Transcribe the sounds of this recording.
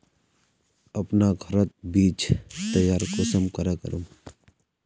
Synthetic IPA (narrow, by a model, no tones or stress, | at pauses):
ɐpnaɡʱəɾət̪̚biːt͡ʃt̪əjaːɾkosəmkəɾekə̰ɾũ